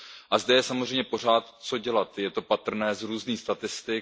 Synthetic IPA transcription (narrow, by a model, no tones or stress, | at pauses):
ʔazd̪ɛjɛsamozrɛjmɲɛpo̞r̝aːt̪̚t͡so̞ɟɛlat̪jɛt̪o̞pat̪r̩nɛːzɾuːzniːxst̪at̪ɪst̪ɪk